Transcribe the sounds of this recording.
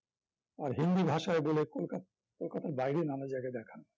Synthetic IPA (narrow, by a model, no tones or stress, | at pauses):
aɾɦind̪ibʱaʃaebolekola | kolkat̪aɾbajɾenamed͡ʑajɡajd̪ɛkʰan